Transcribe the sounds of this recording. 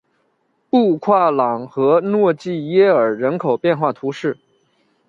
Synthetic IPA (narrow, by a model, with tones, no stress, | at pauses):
pu˥˧kʰwa˥˩lɑ˨˩ŋxɤ˧˥nwɔ˥˧t͡ɕi˥˩jɛ˥ə˞˨˩ɻə˧˥nkʰo˨˩ʊpjɛ˥˧nxwa˥˩t̪ʰu˧˥ʂɻ̩˥˩